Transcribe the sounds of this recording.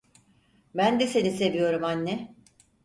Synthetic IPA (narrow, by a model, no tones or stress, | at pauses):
bænd̪esenise̞vijo̞ɾumanːɛ